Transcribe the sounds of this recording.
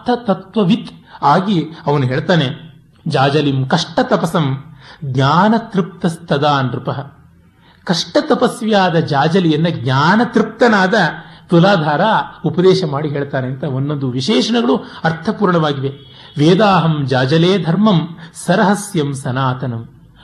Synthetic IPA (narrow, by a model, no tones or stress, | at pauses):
t̪ʰɐt̪ɐt̪ʋɐʋit̪aːɡiɐʋɐnuɦeːɭt̪aːne | d͡ʒaːd͡ʒɐlimkɐʂʈɐt̪ɐpɐsɐmɡɲaːnɐt̪ɾip̚t̪ɐst̪ɐd̪aːnɾɪpɐɦɐ | kɐʂʈɐt̪ɐpɐsʋjaːd̪ɐd͡ʒaːd͡ʒɐlijɐnːɐɡ̚ɲaːnɐt̪ɾip̚t̪ɐnaːd̪ɐt̪ulaːd̪ʱaːɾaupɐd̪eːʃɐmaːɽiɦeːɭt̪aːneɐnt̪ɐonːond̪uʋiʃɛːʂɐɳɐɡɐɭuɐɾt̪ʰɐpuːɾɳɐʋaːɡiʋe | ʋeːd̪aːɦɐmd͡ʒaːd͡ʒɐleːd̪ʱɐɾmɐmsɐɾɐɦɐsjɐmsɐnaːt̪ɐnɐm